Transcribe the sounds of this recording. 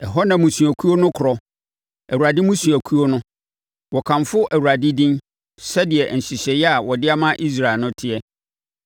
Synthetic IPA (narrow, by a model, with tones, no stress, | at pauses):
ɛ˨ɦɔ˦nã˨mũ˨sũ˨æ˨kʰu˦o˦nʊ̃˦kʰʊ˨ɾɔ˨ | æ˨wu˨a˨dɪ˦mũ˦sũ˨æ˨kʰu˦o˦nʊ̃˦ | wɔ˨kʰã˨ɱfʊ˦ʔæ˨wu˨ɾa˨dɪ˦dĩ˦n | sɛ˦dɪ˨ɛ˨n̩˨ɕi˨ɕɛ˨jɛ˦a˨wɔ˨dɪ˦a˦mã˦ʔi˦s̬ɾa˨ɪ˨nʊ̃˦tʰɪ˦ɛ˦